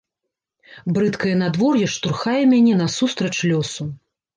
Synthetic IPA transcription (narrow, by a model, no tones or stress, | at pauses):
bɾɨt̪kɐjɐnad̪vɔrjɛʂt̪urxajɛmʲanʲɛnɐsust̪ɾɐt͡ʂlʲɔsu